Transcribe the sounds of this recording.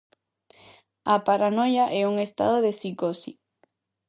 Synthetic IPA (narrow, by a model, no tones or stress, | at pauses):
apaɾanojaʔɛuŋest̪a̰ðoðesikosi